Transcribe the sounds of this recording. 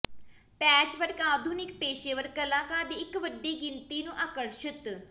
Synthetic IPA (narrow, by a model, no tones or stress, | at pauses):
pɛːt͡ʃʋəɾkaːd̪ʱuːnɪk̚peːʃeːʋəɾkəlãːkãːd̪eːɪkʋəɖːeːɡɪnt̪iːnũːʔaːkəɾʃɪt̪